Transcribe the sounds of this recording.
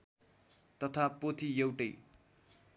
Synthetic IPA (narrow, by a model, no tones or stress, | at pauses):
t̪ʌt̪ʰapot̪ʰijʌwʈʌj